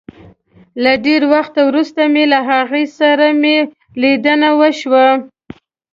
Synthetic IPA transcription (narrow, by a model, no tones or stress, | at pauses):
laɖeɾwaxt̪awɾust̪amelaɦaɣəjsaɾame | lid̪ənawəʃwa